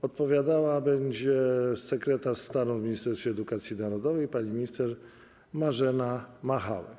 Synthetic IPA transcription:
ɔt̪̚pɔvʲjad̪awabɛɲd͡ʑɛsɛkɾɛt̪aʂst̪aɾɔ̃vmʲiɲist̪ɛɾsfʲjɛd̪ukat̪sʲjinaɾɔd̪ɔvɛjpaɲimʲiɲist̪ɛɾ | maʐɛnamaxa̰wɛ̰

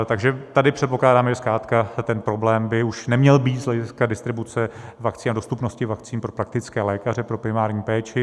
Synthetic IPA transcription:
t̪aɡʒɛt̪adɪpr̥ɛt̪̚po̞klaːdaːmɛʒɛskɾaːt̪kat̪ɛnpɾo̞blɛːmbɪuʃnɛmɲɛlbiːt̪zlɛɟɪskadɪst̪ɾɪbut͡sɛvakt͡siːnado̞st̪upno̞scɪvak̚t͡siːnpɾopɾak̚t̪ɪt͡skɛːlɛːkarɛpɾo̞pɾɪmaːɾɲiːpɛːt͡ʃɪ

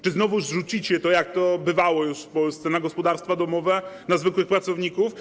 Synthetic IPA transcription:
t͡ʂɘznɔvuzʐut͡ɕit͡ɕɛt̪ɔjak̚t̪ɔbɘvawɔjuʂfpɔlst̪sɛnaɡɔspɔd̪aɾst̪fad̪ɔmɔvɛnazvɘkwɘxpɾat̪sɔvɲikuf

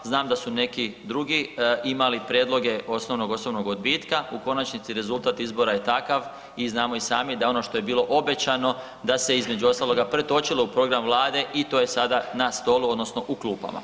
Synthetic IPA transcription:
znaːmd̪asune̞kid̪ɾuɡiimalipɾjed̪lˠo̞ɡe̞o̞sno̞ʋno̞ɡo̞snoʋno̞ɡod̪biːt̪kauko̞nat͡ʃnit̪siɾe̞zulˠt̪aːt̪izbo̞ɾaje̞t̪akaʋ | iznaːmo̞isaːmid̪ao̞no̞ʃt̪o̞je̞biːlo̞ʔo̞be̞t͡ɕano̞ | d̪ase̞izme̞d͡ʒuo̞st̪aːlo̞ɡapɾe̞t̪o̞t͡ɕiloupɾo̞ɡɾamʋlˠaːd̪e̞ʔit̪o̞ːje̞sad̪anast̪o̞ːluod̪no̞sno̞ʔukluːpa̰ma̰

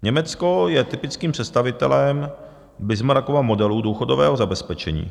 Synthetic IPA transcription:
ɲɛmɛt͡sko̞jɛt̪ɪpɪt͡skiːmpr̥ɛt̪st̪avɪt̪ɛ̰lɛm | bɪzmaɾakovamodɛluduːxodovɛ̰ːɦozabɛspɛt͡ʃɛɲḭː

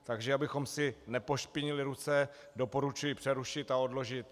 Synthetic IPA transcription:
t̪aɡʒɛabɪxo̞msɪnɛpo̞ʃpɪɲɪlɪɾut͡sɛ | do̞po̞ɾut͡ʃujɪpr̥ɛɾuʃɪt̪ao̞dlo̞ʒɪt̪

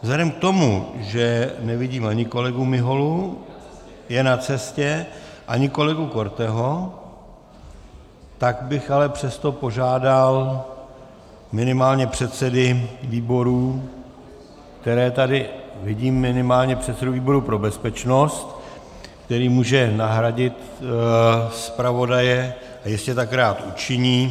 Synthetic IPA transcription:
vzlɛdɛmk̚t̪o̞mṵʒɛnɛvɪɟiːmaɲɪko̞lɛɡumɪɦo̞lu | jɛnat͡sɛscɛʔaɲɪko̞lɛɡuko̞ɾt̪ɛɦo̞ | t̪aɡbɪxalɛpr̝̥ɛst̪o̞po̞ʒaːdal | mɪnɪmaːlɲɛpr̝̥ɛt̪sɛdɪviːbo̞ɾuː | k̚t̪ɛɾɛːt̪adɪvɪɟiːmːɪnɪmaːlɲɛpr̥ɛt̪sɛduviːbo̞ɾupɾo̞bɛspɛt͡ʃno̞st̪ | kt̪ɛɾiːmuːʒɛnaɦɾaɟɪt̪ | spɾavo̞dajɛ | ʔajɪscɛt̪akɾaːt̪ut͡ʃɪɲiː

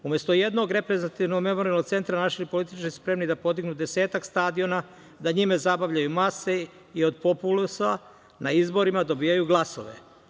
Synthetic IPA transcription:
ume̞st̪o̞jed̪no̞ɡɾe̞pɾezat̪iʋnoɡme̞mo̞ɾialnot̪se̞nt̪ɾanaʃiipolit̪it͡ʃkispɾe̞mnid̪apo̞d̪iɡnud̪e̞se̞ːt̪akst̪ad̪io̞na | d̪aɲimezabaʋʎajumase̞ | io̞d̪po̞pulusa | nʔaizbo̞ɾimad̪o̞biːjajuɡlˠaso̞̰ʋḛ

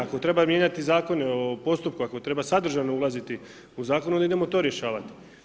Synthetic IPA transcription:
ako̞t̪ɾe̞bamje̞ɲat̪izaːko̞neopo̞st̪upkuako̞t̪ɾe̞basad̪r̩ʒanoulˠazit̪i | uzaːkonuond̪aid̪e̞mot̪o̞ɾje̞ʃaːʋat̪i̥

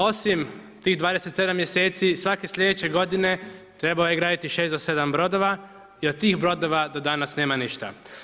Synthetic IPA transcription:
o̞simt̪iːɣd̪ʋaːd̪eset̪se̞d̪amːjese̞ːt̪sisʋake̞sʎʲe̞d̪et͡ɕe̞ɡo̞d̪ine̞t̪ɾe̞balojeɡɾaːd̪it̪iʃesd̪ose̞d̪ambɾo̞d̪oʋa | iot̪̚t̪iːxbɾo̞d̪o̞ʋad̪o̞d̪anasneːmaniʃt̪a̰

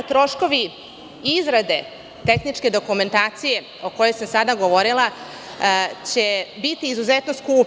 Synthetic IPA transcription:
t̪ɾo̞ʃko̞ʋi | izɾad̪e̞ | t̪e̞xnit͡ʃke̞d̪o̞kume̞nt̪aːt̪sije̞ | o̞ko̞jo̞jsamsad̪aɡoʋo̞ɾilˠa | t͡ɕe̞bit̪iːzuzet̪no̞skuːp

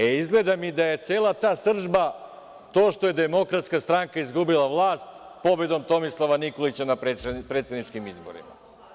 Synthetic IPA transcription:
eizɡle̞d̪amid̪aje̞t̪seːlˠat̪aːsr̩ʒba | t̪o̞ːʃt̪o̞je̞d̪emo̞kɾat̪skast̪ɾaŋkaizɡubilaʋlˠaːst̪ | po̞be̞d̪o̞mt̪o̞mislˠaʋanikolit͡ɕanapepɾet̪sʲe̞d̪nit͡ʃkimizboɾḭma̰

